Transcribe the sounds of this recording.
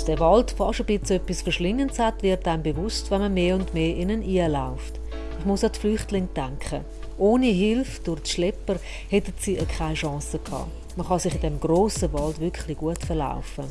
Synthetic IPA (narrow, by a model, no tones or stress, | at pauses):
sd̥ɛvɑltfɑʃəbɪt͡sœpːisfəɾʃlɪŋːənshatvɪɾtaɪmbevʊstvɛnməmeːʊndmeːʔɪnənʔiəlaʊft | ɪχmʊsɑtflyχtlɪŋd̥aŋkχə̰ | ʔoːniɦɪlfd̥ʊɾtʃlɛpəɾ | hɛtətsiːəkʰχaɪʃɑ̃ːsəkʰhɑ̰ː | məχɑsɪχɪdɛmɡ̥roːsəvɑldvʏkχliɡ̥uətfəɾla̰ʊfə